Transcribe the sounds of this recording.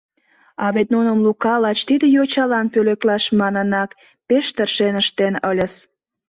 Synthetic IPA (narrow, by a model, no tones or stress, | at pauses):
ɑβet̪̚nunəmlukɑlɑt͡ɕt̪id̪əjot͡ɕɑlɑnpøleklɑʃmɑnənɑk | peʃt̪ərʃenəʃt̪enəlʲəs